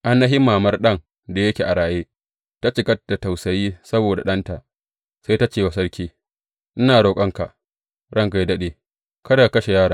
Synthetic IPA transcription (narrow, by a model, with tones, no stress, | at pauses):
ʔa˦nːɐ˦ɦɪ˦mːaː˨mɐ˦rɗɐ˦ŋ | da˨jɐ˦kʲe˨ʔa˨ɽaː˨jeː˦ | ta˦t͡ʃɪ˨kɐ˦d̥a˨ta˨wsɐ˨jiː˦sɐ˦boː˨da̰˨ɗɐ˦nta˨ʔ | sa˦jta˦t͡ʃeː˨wa˨sɐ˦ɽkʲiː˦ | ʔɪ˦naː˨ɽoː˨kʼɐ˦ŋka˨ʔ | ɽɐ˦ŋka˨ji˦dɐ˦ɗeː˨ | kɐ˦da˨kɐ˦ʃe˨jaː˦ɽaː˨